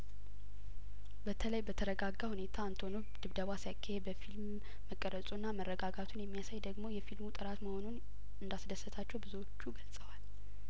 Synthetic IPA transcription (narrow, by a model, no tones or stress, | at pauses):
bət̪ʰələjbət̪ʰəɾəɡaɡːahune̞t̪ʰaːnt̪ʰo̞nu | d̪̥ɨβd̪əβasajakʰːahebəfilmː | əkʼːəɾəsʼunːamərːəɡaɡat̪ʰunjɛmːijasajd̪əɡmo̞jɛfilmut̪ʼɨɾat̪məho̞nun | ɨnd̪asd̪əsːət̪ʰat͡ʃːɛwbɨzuwot͡ʃːuɡəlsʼəwal